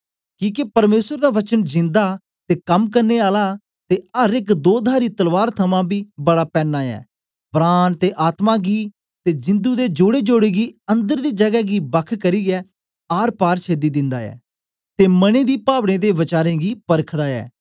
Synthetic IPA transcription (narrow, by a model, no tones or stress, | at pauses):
kĩːkepəɾmeːsəɾd̪aːʋət͡ʃənd͡ʒɪ̃nd̪aː | t̪eːkəmkəɾneːaːlaː | t̪eːəɾɪkd̪oːd̪ʱaːɾiːt̪əlʋaːɾt̪ʰəmãːbʱiːbəɽaːpɛːnːaːɛ̰ː | bɾaːnt̪eːʔaːt̪mãːɡiː | t̪eːd͡ʒɪ̃nd̪uːd̪eːd͡ʒoːɽeːd͡ʒoːɽeːɡiːə̃nd̪əɾd̪iːd͡ʒəɡɛːɡiːbəkʰkəɾiːɡɛː | aːɾpaːɾt͡ʃʰeːd̪iːd̪ɪ̃nd̪aːɛ̰ː | t̪eːmənẽːd̪iːpaːʋɽẽːd̪eːʋɪt͡ʃaːɾẽːɡiːpəɾkʰd̪aːɛ̰ː